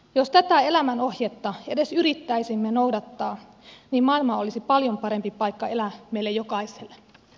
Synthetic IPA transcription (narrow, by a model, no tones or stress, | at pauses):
jost̪æt̪æe̞læmænohjet̪ːɑedesyɾit̪ːæisimːenoudɑt̪ːɑː | niːmmɑilmɑolisipɑljompɑɾempipɑikːɑelæmeilːejokɑiselːe